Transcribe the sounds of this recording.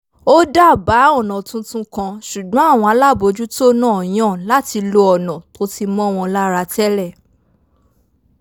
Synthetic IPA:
o˦da˦˨ba˨˦ɔ̃˦˨nɔ̃˨tũ˦tũ˦kã˧ʃu˨ɡ͡bɔ̃˨˦a˦˨w̃ɔ̃˧a˧˦la˦˨bo˧˦d͡ʒu˦to˦nãː˦˨j̃ã˦˨la˦ti˧lo˧ɔ˨nɔ̃˨to˨˦ti˧mɔ̃˦w̃ɔ̃˧la˦ɾa˧tɛ˦lɛ˦˨

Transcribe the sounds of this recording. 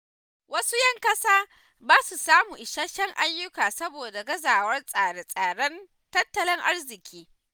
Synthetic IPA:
wɐ˦su˦jɐ˦ŋkɐ˦saː˦ | baː˦su˨saː˦mu˨ʔɪ˨ʃaː˦ʃɐ˦ŋʔa˦jːʊ˦kaː˨sɐ˦boː˨da˨ɡɐ˦zaː˨wɐ˦rsʼaː˨ɽe˦sʼaː˨ɽɐ˦n | tɐ˦tːɐ˨lɪ˦ŋʔa˦rzɪ˨kʲʰiː˦

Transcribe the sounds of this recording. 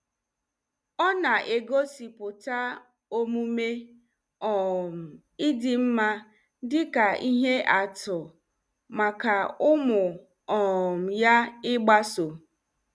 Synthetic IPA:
ɔ˦na˨ʔe˨ɡo˦si˨pʊ˨ta˦ | o˦mu˦me˦ | ɔ˨m̩˨ | ɪ˦dɪ˦m̩˦ma˦ | dɪ˦ka˨ʔi˦ɦe˦ʔa˨tʊ˨ | ma˨ka˨ʊ˦mʊ˨ | ɔ˨m̩˨ja˦ɪ˦ɡ͡ba˦so˨

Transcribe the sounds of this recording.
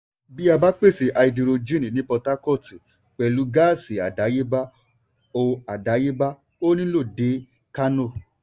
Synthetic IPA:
bi˦a˧ba˦k͡pe˦˨si˨ʔa˧i˧di˧ɾo˧d͡ʒi˦nĩ˨nĩ˦pɔ˧ta˦kɔ˦˨ti˨ | k͡pɛ˨lu˨˦ɡa˦˨si˨a˨da˨˦je˦ba˦ | o˧a˨da˨˦je˦ba˦ | o˦nĩ˦lo˦˨de˨˦ | ka˦no˦˨

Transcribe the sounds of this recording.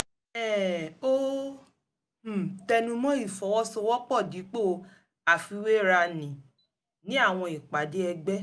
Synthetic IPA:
ɛ˦˨o˦˨ | tɛ˧nũ˧mɔ̃˦i˦˨fɔ˨˦wɔ˦sɔ˧wɔ˦k͡pɔ˦˨di˨˦k͡po˦˨˧ | a˨fi˧we˦˨ɾa˧nĩ˨ | nĩ˨˦a˦˨w̃ɔ̃˧i˨k͡pa˨de˨˦ɛ˧ɡ͡bɛ˦

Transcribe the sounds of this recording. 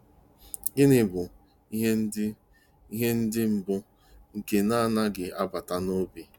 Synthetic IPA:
ɡɪ˦nɪ˨bʊ˨ | i˦ɦe˦ | i˦ɦe˦n̩˦dɪ˦m̩˨bʊ˦ | ŋ̩˨ke˨na˦˨na˦ɡɪ˨a˦ba˨ta˨no˦bi˦

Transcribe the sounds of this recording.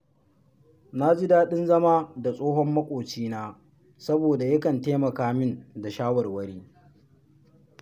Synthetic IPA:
na˦d͡ʒɪ˦daː˦ɗɪ˦nzɐ˦maː˦da˨sʼoː˦ɦɔ˦mːɐ˦kʷʼoː˨t͡ʃiː˦naː˦ | sɐ˦boː˨da˨jɐ˦kɐ˨nteː˦mɐ˨kaː˦mɪ˦nda˨ʃaː˦wɐ˨rwɐ˦ɽiː˦

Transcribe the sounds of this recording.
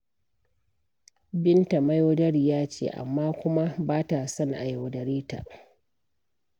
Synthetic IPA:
bɪ˦nta˨ma˦joː˦dɐ˦ɽi˨jaː˦t͡ʃḛː˦˨ʔa̰˨mːaː˦kʷʊ˦ma˦baː˦ta˨sɐ˦ŋʔa̰˨ja˨wdɐ˨ɾiː˦ta̰˨ʔ

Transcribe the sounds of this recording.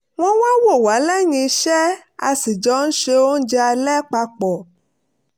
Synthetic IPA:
w̃ɔ̃˧wa˦wo˦˨wa˨˦lɛ˦˨jĩ˧ʃɛ˦ | a˧si˨d͡ʒɔ˨˦n̩˦ʃe˧o˦n̩˦d͡ʒɛ˧a˧lɛ˦k͡pa˧k͡pɔ˨

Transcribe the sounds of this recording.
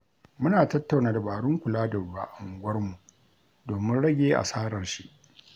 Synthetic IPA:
mʊ˦naː˨tɐ˦tːa˨wnaː˨da˨baː˨ɽʊ˦ŋkʷʊ˨laː˦dɐ˨ba̰ː˦ʔa˨ŋ˨ɡʷɐ˦rmu˨ʔ | doː˨mɪ˦nɽɐ˦ɡʲeː˦ʔa̰˨saː˦ɾɐ˨rʃi˦ʔ

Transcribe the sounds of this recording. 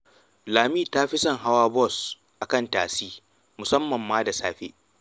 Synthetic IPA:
laː˨miː˦˨taː˦ɸi˦sɐ˦˨ŋɦa˦waː˦bɔ˦˨s | ʔa˨kɐ˦˨ntaː˨siː˦ | mʊ˨sɐ˦mːɐ˨mːaː˦da˨saː˦ɸḛ˦ʔ

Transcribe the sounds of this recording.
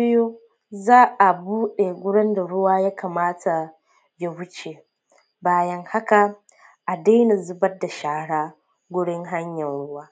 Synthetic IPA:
ɪ˦joː˦ | zaː˦ʔa˨buː˦ɗe˨ɡʷʊ˦ɽɪ˦nda˨ɽʊ˦waː˦ja˦ka˨maː˦tʰa˨ | ja˨wʊ˦t͡ʃe˨ | baː˦jɐ˦ŋha˦ka˨ | ʔa˨daː˦ni˨zʊ˦bɐ˦dːa˨ʃaː˦ɽaː˦ | ɡʷʊ˦ɽɪ˦ŋɦa˦ɲjɐ˨nɽʊ˦waː˦

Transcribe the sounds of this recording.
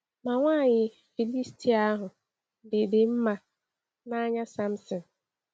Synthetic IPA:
mã˨wã˦˨jɪ˨ | fi˨li˦stʰi˦a˦ɦʊ̃˨ | de˨de˨˦m̩˦mã˨ | nã˦ɲã˦sã˦msɪ̃˨n

